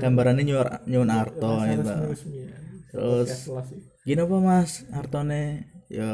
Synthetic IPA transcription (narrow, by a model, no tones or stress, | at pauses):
ɡ̥ambaɾanːeɲurɲuʊnart̪ɔɡit̪u | t̪ɾʊs | ɡ̥inapamasart̪ɔnejɔ